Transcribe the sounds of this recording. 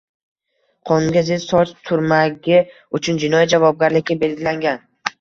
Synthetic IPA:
qʰɒnɡʲazɪzsɒt͡ʃt̪ʰʊɾmaɡʲɪ | ʊt͡ʃʰʊnd͡ʒɪnɒjad͡ʒavɒb̚ɡʲaɾlɪkʲːabe̞lɡʲɪlaŋɡʲan

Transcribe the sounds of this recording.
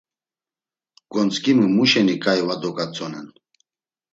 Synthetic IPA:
ɡ̥ɔnt͡sʼkʼimumuʃɛnikʼajvad̪ɔkʼat͡sʼɔnɛ̰n

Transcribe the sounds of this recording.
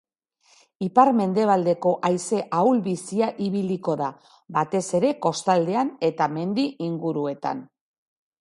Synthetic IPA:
ipaɾme̞nd̪e̞β̞ald̪e̞ko̞ʔajse̞ʔawlβisiaʔiβiliko̞ða | bat̪e̞se̞ɾe̞ko̞st̪ald̪e̞ane̞t̪ame̞nd̪iʔiŋɡuɾue̞t̪a̰n

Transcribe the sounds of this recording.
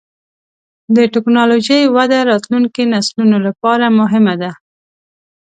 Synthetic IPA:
d̪əʈɪknɑloʒəjwad̪aɾɑt̪luŋkenaslunolapɑɾamʊɦɪmad̪a

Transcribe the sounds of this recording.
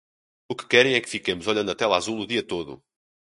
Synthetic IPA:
ukɨ̥kɛɾɐ̃j̃ɛkɨ̥fikemuzɔʎɐ̃nd̪ɐt̪ɛlˠazulˠuðiɐt̪oðṵ

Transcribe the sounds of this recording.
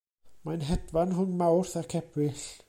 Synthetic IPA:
majnɦɛt̪vanɦuŋmawɾ̥θḁkʰɛpvɪl

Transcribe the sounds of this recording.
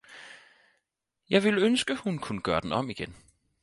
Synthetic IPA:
jɑ̈ɪʋelønsɡ̥əhunkʰunəɡ̥ɶːɐd̥en̩ɒ̽miɡ̥en

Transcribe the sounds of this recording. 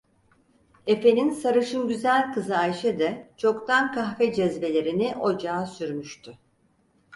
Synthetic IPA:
e̞fe̞ninsaɾɯʃɯnɟyzælʲkɯzɯajʃɛd̪ɛt͡ʃʰo̞kt̪ʰankʰaxfɛd͡ʒɛzve̞lʲe̞ɾiniʔo̞d͡ʒaːsyɾmyʃt̪ʰy

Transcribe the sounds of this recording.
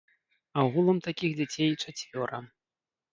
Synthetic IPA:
awɣulˠɐmt̪akʲiɣd͡zʲat͡sʲejt͡ʂat͡sʲvʲɔɾɐ

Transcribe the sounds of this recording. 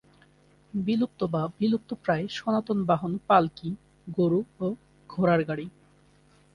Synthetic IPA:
bilup̚t̪obabilup̚t̪opɾaeʃɔnat̪onbaɦonpalki | ɡoɾuo | ɡʱoɾaɾɡaɽi

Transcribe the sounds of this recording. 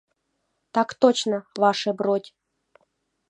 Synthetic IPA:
t̪ɑkt̪ot͡ɕnəvɑʂɛbɾotʲ

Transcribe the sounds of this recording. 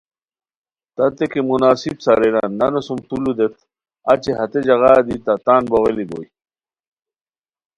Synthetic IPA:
t̪ɐt̪ekemunaːsibsaɾeɾa̰nːɐnosumt̪ulud̪et̪ | at͡ɕeɦɐt̪ed͡ʑɐɣaːd̪it̪at̪aːnboɣeliboj

